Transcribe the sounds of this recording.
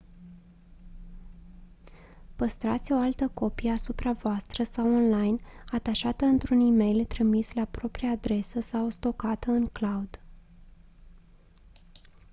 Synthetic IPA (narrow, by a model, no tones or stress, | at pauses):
pəst̪ɾat̪sʲo̞alt̪əko̞pijəasupɾavoast̪ɾəsawonlajnat̪aʃat̪əɨnt̪ɾunime̞jlt̪ɾimislapɾo̞pɾiaːd̪ɾe̞səsawst̪o̞kat̪əɨŋklaud̪